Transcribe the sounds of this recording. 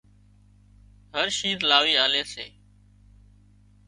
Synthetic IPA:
ɦəɾʃĩːt̪laːʋiːaːleːsḛː

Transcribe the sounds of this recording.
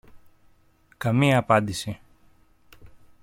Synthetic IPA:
kɐmiɐːpɐnd̪isi

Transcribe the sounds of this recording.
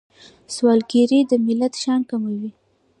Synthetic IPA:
swɑlɡiɾid̪əmɪlat̪ʃɑnkamawi

